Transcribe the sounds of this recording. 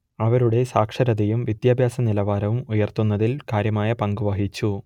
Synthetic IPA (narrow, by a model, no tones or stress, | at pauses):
ɐʋɐɾuɽe̞saːkʂɐɾɐðɐjumʋid̪jaːbʱjaːsɐnilɐʋaːɾɐʋumujɐrt̪unːɐðilkaːɾjɐmaːjɐpɐŋɡuʋɐɦit͡ɕːu